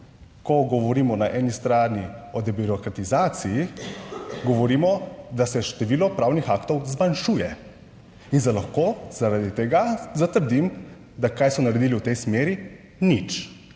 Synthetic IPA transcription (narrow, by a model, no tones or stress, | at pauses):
kɔɡɔʋɔɾiːmɔnaʔɛːnist̪ɾaːniɔd̪ɛbiɾɔkɾat̪izaːt̪siji | ɡɔʋɔɾiːmɔd̪asɛʃt̪ɛʋiːlɔpɾaːwnixakt̪ɔwzmanʃuːjɛ | inzalaxkoːzaɾad̪it̪ɛɡazat̪əɾd̪im | d̪akaːjsmɔnaɾɛd̪iːliuwt̪ɛjsmeːɾi | nit͡ʃ